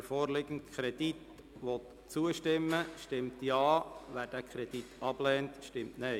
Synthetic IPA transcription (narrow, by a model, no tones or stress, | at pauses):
fɔːɾlɪɡ̥əntkʰɾɛdit | ʋɔt | t͡suəʃtɪmːəʃtɪmtjɑːʋæːɾd̥æːkʰɾɛd̥itɑb̥lɛːntʃtɪmtnɛɪ